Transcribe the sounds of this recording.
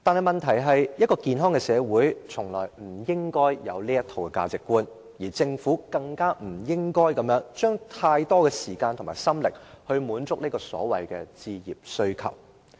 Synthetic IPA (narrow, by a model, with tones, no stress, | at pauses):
t̪aː˨nhɐ˨jmɐ˨nt̪ʰɐ˨˩jɦɐ˨jjɐ˥t̚kːɔː˧kiː˨nɦɔː˥ŋkɛ˧sɛː˨˧wuː˨˥jt͡sʰʊ˨˩ŋlɔː˨˩jm̩˨˩jɪ˥ŋkɔː˥jjɐ˨˧wliː˥jɐ˥t̪ʰo˨wkɛ˧ka̰ː˧t͡sɪ˨kːuː˥n | jiː˨˩t͡sɪ˧ŋfuː˨˥kɐ˧ŋkaː˥m̩˨˩jɪ˥ŋkɔː˥jkɐ˨˧mjœː˨˥ŋt͡ʃœː˥ŋt̪ʰaː˧jt̪ɔː˥kɛː˧siː˨˩kaː˧nt̪ʰʊ˨˩maː˨˩jsɐ˥mlɪ˨k̚hɵ˧ɥmuː˨˥nt͡sʊ˥k̚liː˥kɔː˧sɔ̰ː˨˥wɐ̰˨jkɛː˧t͡siː˧jḭː˨˩p̚sɵ˧˥ɥkʰɐ̰˨˩w